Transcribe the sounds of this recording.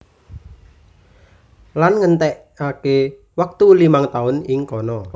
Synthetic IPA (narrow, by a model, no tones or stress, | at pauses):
lanŋənt̪ɛʔ | ake | wək̚t̪ulimaŋt̪aʊnɪŋkɔnɔ